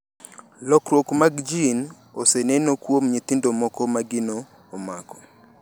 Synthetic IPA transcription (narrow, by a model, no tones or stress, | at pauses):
lɔkɾwokmaɡd͡ʒin | osenenokwomɲit̪ɪndomɔkɔmaɡɪnoː | makɔ̥